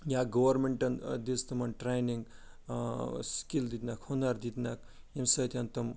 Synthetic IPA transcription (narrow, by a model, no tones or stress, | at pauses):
jaɡɐwɐɾmeɳʈɐnd̪ist̪ɐmɐnʈɾejniŋɡ | skild̪it̪nakʰhonaɾd̪it̪nak̚ | emsɐt̪ʰʲɐnt̪ɐm